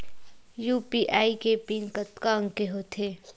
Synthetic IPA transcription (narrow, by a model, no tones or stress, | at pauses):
juːpiːʔaːikepiːnkət̪kaə̃ŋkeɦot̪ʰeː